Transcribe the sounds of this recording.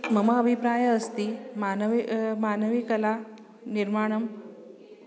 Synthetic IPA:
məmaəbʱipɾajəːst̪iːmanʋmanəʋikəla | niɾmaɽ̃əm

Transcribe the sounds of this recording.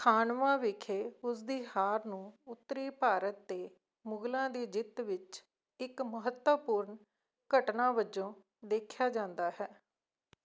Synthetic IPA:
kʰaːnʋãːʋɪkʰeːʊsd̪iːhaːɾnũːʊt̪ːɾiːpaːɾət̪ːeː | mʊɡlãːd̪eːd͡ʒɪt̪ʋɪt͡ʃ | ɪkməɦət̪əpʊɾɳ | kəʈnãːbəd͡ʒõː | d̪eːkʰjaːd͡ʒãːnd̪aːɦɛː

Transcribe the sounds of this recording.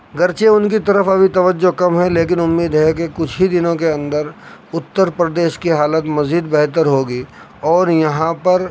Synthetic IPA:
ɡɐɾt͡ʃeʊnkit̪ɐɾəfɐbʱit̪ɐʋəd͡ʒːokɐmɦɛleːk̬ɪnʊmːiːd̪ɦɛk̬ekʊt͡ʃʰɦid̪ɪnõkeɐ̃nd̪əɾʊt̪ːəɾpɾəd̪eːʃkiɦaːlət̪mɐziːd̪bɛɦt̪əɾɦoːɡiː | ɔːɾjɐɦãpɐɾ

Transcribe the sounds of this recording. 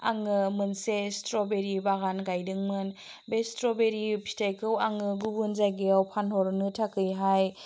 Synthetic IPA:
aŋɯmɯnsestɾɔbeɾibaɡanɡajdɯŋmɯn | bestɾɔbeɾipʰi̥tʰajkʰɯwaŋɯɡubunzajɡewpʰanhɔɾnɯtʰakʰɯjɦaj

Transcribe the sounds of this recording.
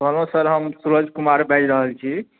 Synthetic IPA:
bʱənosəɾɦəmsuɾəd͡ʒʱkumaɾbɛd͡ʒɾəɦəlt͡ʃʰi

